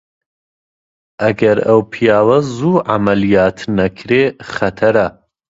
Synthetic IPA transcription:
ʔɐɡɐɾɐwpʰijaːwɐzuːʕamɐlijaːt̪ʰnɐkʰɾeχɐt̪ʰɐɾɐ

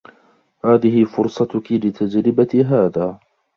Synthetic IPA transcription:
haːðɪhɪfʊɾsˤɑt̪ʊkɪlɪt̪ʰad͡ʒɾɪbat̪ɦaːðaː

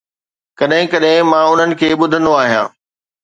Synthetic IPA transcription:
kɐɗɦɪ̃kɐɗɦɪ̃mãːʊn̤ənɪ̆kʰeːɓʊd̪ʱə̃nd̪oaːɦijã̰ː

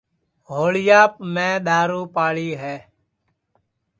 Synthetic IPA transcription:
ɦoːɭɪjaːpmẽːɗ̪aːɾuːpaːɭiːɦɛː

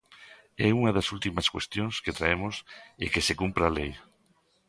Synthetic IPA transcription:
ɛuŋaðasult̪imaskwest̪jõŋsket̪ɾaemosekesekumpɾalej

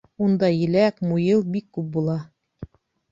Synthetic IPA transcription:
und̪ɑjɘ̆lækmujɤlˠbikːʉp̚bulˠɑ

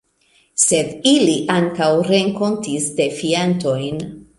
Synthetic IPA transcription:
se̞diliʔaŋkawɾe̞ŋko̞ntisde̞fianto̞jn

